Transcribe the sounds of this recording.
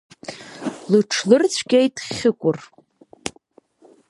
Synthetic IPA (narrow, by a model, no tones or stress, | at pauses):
lɨʈ͡ʂʰlɨrt͡sʷʰɡʲejtʼχʲɪkʷʼʊr